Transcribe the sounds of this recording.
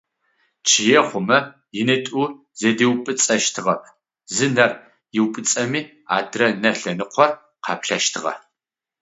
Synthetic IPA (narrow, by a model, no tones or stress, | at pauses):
t͡ʃʰɪjɛχʷʊmɐ | jɪnɨtʼu | z̥ediwpʼɨt͡sʼɐʃtʰɨʁɐpʰ | zɨnɐr | jɪwpʼɨt͡sʼɐmiː | a̰ːdrɐnɐɬɐnɨqʷʰɔr | qʰɑpɬɐʃtʰɨʁɐ̰